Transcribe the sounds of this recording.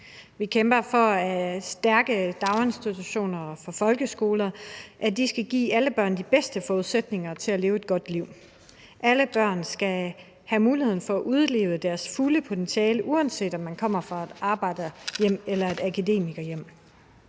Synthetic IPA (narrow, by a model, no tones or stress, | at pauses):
ʋikʰemb̥ɐfɒ̽æsd̥æɐɡ̥əd̥ɑ̈ʊensd̥it͡sʰuɕo̝̰ːnɐfɒ̽fɒ̽lɡ̥əsɡ̥o̝ːlɐʔæd̥isɡ̥æɡ̥ḭːæləb̥ɶɐ̰nd̥ib̥esd̥əfɒːuðˠsed̥ne̝ŋɐt͡sʰe̝læle̝ːʊe̝d̥ɡ̥ɒ̽d̥liʊ̰ | ʔæləb̥ɶɐ̰nsɡ̥æ | hæmuːliheðˠn̩fɒ̽æʔuð̞ˠle̝̰ːʊd̥æɐsfuləpʰo̝t͡sʰenɕɛːləʔuænse̝̰ːd̥ɒ̽mːænkʰɒ̽m̰ɐfʁɑ̈ed̥ɑ̈ːb̥ɑ̈ɪ̰d̥ɐjem̰elɐe̝d̥ækʰæde̝̰ːmiɡ̥ɐjem̰